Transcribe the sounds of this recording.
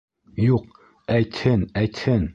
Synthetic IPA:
juq̚ | æjt̪hɘnæjt̪hɘn

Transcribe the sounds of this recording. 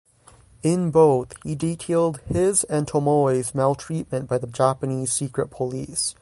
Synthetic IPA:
ɪ̃nboʊθhiditʰeɪlˠd̚hɪzɨ̃ntʰomɔɪzmelˠtʰɹ̥it̚mɨ̃nb̥aɪðəd͡ʒæpɨniz̥sikɹɨt̚pʰəlḭs

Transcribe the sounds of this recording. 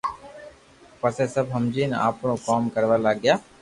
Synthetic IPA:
pəseːsəbɦəmd͡ʒiːna̰ːpɳõːkaːmkəɾʋaːlaːɡɪjaː

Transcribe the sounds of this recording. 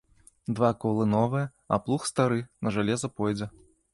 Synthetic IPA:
d̪vakɔlˠɨnɔvɨjɐ | ɐ̰plˠuxst̪aɾɨnɐʐalʲɛzɐpɔjd͡zʲɛ

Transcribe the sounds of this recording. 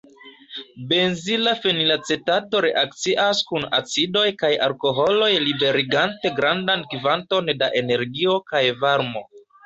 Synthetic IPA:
be̞nzilafenilat͡setato̞ɾe̞ʔakt͡siʔaskuna̰t͡sido̞jkaja̰ɾko̞ɦo̞lo̞jlibe̞ɾiɡante̞ɡɾandankivanto̞ndaʔe̞ne̞ɾɡio̞kajvaɾmo̞

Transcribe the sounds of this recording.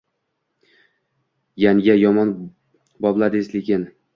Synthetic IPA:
jaŋɡʲajɒmɒn | bɒblˠad̪eslɪkʲɪn

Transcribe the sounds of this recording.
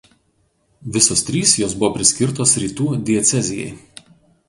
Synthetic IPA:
ʋʲɪsoːst̪ʲɾʲiːsjoːsbʊʋɔpʲɾʲɪsʲkʲɪɾt̪oːsɾʲiːt̪uːd̪ʲɪɛt̪sʲɛzʲɪjɛ̰ɪ

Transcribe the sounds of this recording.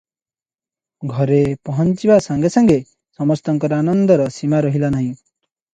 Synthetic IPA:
ɡʱɔɾepɔɦɔnt͡ʃibasaŋɡesɔŋɡe | sɔmɔst̪ɔŋkɔɾanɔnd̪ɔɾɔsimaɾɔɦilanaɦĩ

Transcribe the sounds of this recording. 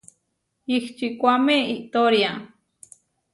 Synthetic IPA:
iht͡ʃikʷameiʔt̪oɾja

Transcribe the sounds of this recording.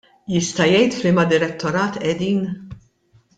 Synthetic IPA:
jɪst̪ɐjɛjt̪flimɐd̪ɪɾɛt̪ʰːɔɾɐːt̪ʔɛd̪iːn

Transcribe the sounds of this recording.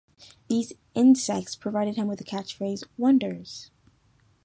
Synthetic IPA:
ðiz | ɪ̃nsɛk̚tspʰɹ̥ɨvaɪɾɨd̚ɨ̃mwɨðɨkʰæt͡ʃfɹeɪzwʌ̃ndə˞z̥

